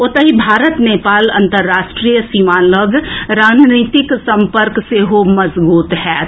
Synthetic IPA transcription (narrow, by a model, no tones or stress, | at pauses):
ot̪əɦibʱaːɾət̪neːpaːlɐ̰̃nt̪əɾːaːʃʈɾijəsiːmaːləɡɾaːd͡ʒnit̪ɪksəmpəɾkseɦomɐzbuːt̪ɦɛː